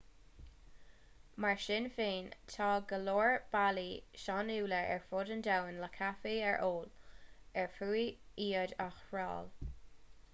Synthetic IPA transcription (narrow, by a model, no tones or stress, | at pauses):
maɹʃɪnfeːnt̪ʰɑːɡəloːɹb̥aliʃɑnuːləɛ̰ɹfʊdəndawənləkʰafiɛɹʔoːlɛɹfuːiiːədaxɹɑ̰ːl